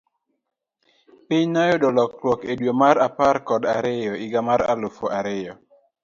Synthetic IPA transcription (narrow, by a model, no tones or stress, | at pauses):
pɪɲnajodɔlɔklwɔkedwomaɾaparkɔdaɾɪjɔɪɡamaɾa̰lofoʔaɾɪjɔ